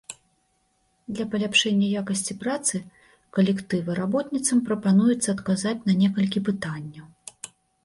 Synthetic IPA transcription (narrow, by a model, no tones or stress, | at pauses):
d̪lʲɐpɐlʲapʂɛnʲːɐjakɐsʲt͡sʲipɾat̪sɨ | kɐlʲɛkt̪ɨvɨɾabɔt̪nʲit̪sɐmpɾɐpanujut̪sːɐːt̪kazat͡sʲnɐnʲɛkɐlʲkʲipɨt̪anʲːɐw